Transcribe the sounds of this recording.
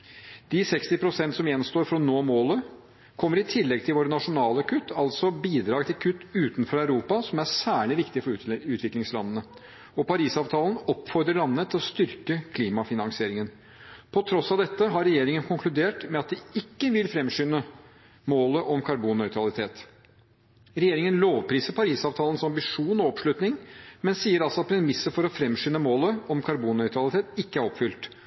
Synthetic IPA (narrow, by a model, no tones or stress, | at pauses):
d̪̥ɪsɛkst̪ɪpʰɾʊsɛnt̪sɔmjɛnst̪oːɾfɾɔnoːmoːlə | kʰɔmːəɾɪt̪ʰɪlːɛɡt̪ʰɪlʋoːɾənɑʂʊnɑːləkʰʉt̪ːɑlt̪sɔbiːd̪ɾɑːɡt̪ʰɪlkʰʉt̪ːʉːt̪nfɔɾæʉɾuːpɑsɔmæɾsæːɭɪʋɪkt̪ɪfɔɾʉʉːt̪ʰʋɪklɪŋslɑ̰nːənə | ɔpɑɾiːsɑːʋt̪ʰɑːlənɔpːfɔɾd̪ɾəɭɑnːət̪ʰːɪlɔst̪ʏɾkəkʰliːmɑfɪnɑŋsɪeːɾɪŋən | pʰɔt̪ʰɾɔsːɑd̪ɛt̪ːəɦɑɾɛjeːɾɪŋənkʰʊŋkʰlʉd̪eːʈmɛɑt̪̚d̪ɪɪkːəʋɪlfɾɛmʂʏnə | moːləʔɔmkʰɑɾbuːnːœʏt̪ɾɑlɪt̪ʰeːt̪ | ɾɛjeːɾɪŋənloːʋpʰɾiːsəpʰɑɾiːsɑːʋt̪ʰɑːlənsɑmbɪʂuːnɔɔpʂɭʉt̪nɪŋmɛnsiːəɾɑlsɔɑt̪̚pʰɾɛmɪsːəfɔɾɔfɾɛmːʂʏnːəmoːləɔmkʰɑɾbuːnːœʏt̪ʰɾɑlɪt̪ʰeːt̪ɪkːəæɾɔpfʏlt̪